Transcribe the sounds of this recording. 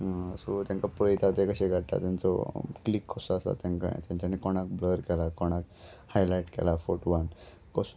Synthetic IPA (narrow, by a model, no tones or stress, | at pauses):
ɦsɔt̪jãŋkapəjt̪at̪ekəɕeɡʱaɽt̪a̰t̪jãnt͡sɔ̰klikʰːɔsɔasa̰t̪jãŋka̰t̪jãɲt͡ɕanikɔɽ̃ak̚bləɾkɛlakɔɽ̃ak̚ | hajlajʈkɛ̰lafoʈʋan | kɔs